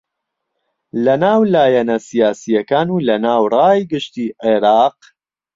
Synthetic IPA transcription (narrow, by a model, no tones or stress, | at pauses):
lɐnaːwlaːjɐnɐsijaːsijɐkaːnuːlɐnaːwraːjɡɨʃt̪iːʔeɾɑːq